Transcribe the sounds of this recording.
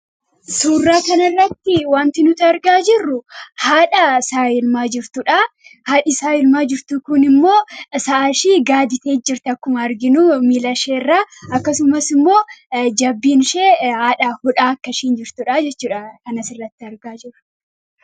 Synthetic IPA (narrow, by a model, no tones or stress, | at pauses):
suːrːaːkɐnɐrːɐt̪ːɪwaːnt̪ɪnʊt̪ɪɐɾɡaːd͡ʒɪrːʊhaːᶑɐsaːjɪlmaːd͡ʒɪɾt̪ʊᶑaːhaːᶑɪsaːjɪlmaːd͡ʒɪɾt̪ʊkʊnɪmːo̞ːsɐʔɐʃiːɡaːd̪ɪt̪e̞ːd͡ʒːɪɾt̪ɛɐkːʊmɐɐɾɡɪnumiːlɐʃeːrːaːɐkːɐsʊmɐsɪmːo̞ːd͡ʒɐbːiːnʃeːhaːᶑɐhʊᶑaːɐkːɐʃiːnd͡ʒɪɾt̪ʊᶑaːd͡ʒɛt͡ʃːuːᶑɐkɐnɐsɪrːɐt̪ːɪɐɾɡaːd͡ʒɪrʊ̥